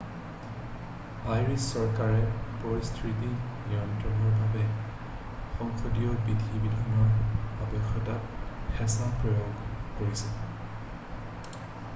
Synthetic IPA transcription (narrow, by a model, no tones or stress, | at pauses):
ajɹisːɔɹkaɹɛpɔjstɹitiniɔntɹɔnɔɹbʱabɛ | xɔŋxodijɔbidʱibidʱanɔɹabɛxːɔtatxɛsapɹɔjoɡkoɹisɛ